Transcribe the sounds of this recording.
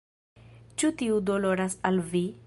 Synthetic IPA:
t͡ʃutiudolo̞ɾasalvi

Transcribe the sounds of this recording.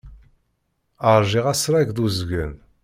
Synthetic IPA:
əɾˤʒiʁæsɾæʝðuzɡʷən

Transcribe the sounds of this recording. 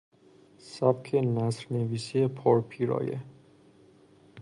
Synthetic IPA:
sæbkʰenæsɾneviːsiepʰɒːɾpʰiːɾɒ̰ːjḛ

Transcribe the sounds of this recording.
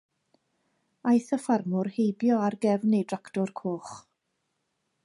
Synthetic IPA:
ajθəfarmʊrhejbjɔarɡɛvnejdraktɔrkʰoːχ

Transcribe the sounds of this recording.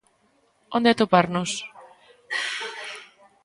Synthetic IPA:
ond̪eat̪opaɾnos

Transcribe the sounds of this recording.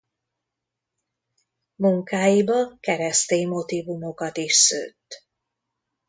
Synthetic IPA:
muŋkaːjibɒkɛɾɛst̪eːɲmo̞t̪ivumo̞kɒt̪iʃsø̰ːt̪ː

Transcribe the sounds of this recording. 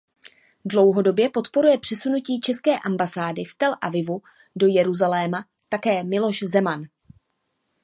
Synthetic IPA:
dlo̞wɦo̞do̞bjɛpo̞t̪po̞ɾujɛpr̥ɛsunuciːt͡ʃɛskɛːʔambasaːdɪft̪ɛlʔavɪvu | do̞jɛɾuzalɛːma | t̪akɛːmɪlo̞ʃzɛman

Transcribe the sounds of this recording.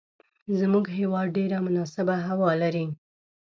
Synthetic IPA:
zmuɡɦewɑd̪̚ɖeɾamʊnɑsɪbaɦawɑlaɾi

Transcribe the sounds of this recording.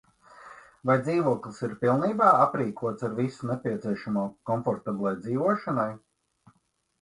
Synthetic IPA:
vajd̪ziːʋuɔklˠisiɾpilˠniːbaːapɾiːkuɔt̪saɾvisunepʲiɛt̪siɛʃamuɔkɔnfɔɾt̪abʲlˠajd̪ziːʋuɔʃanaj

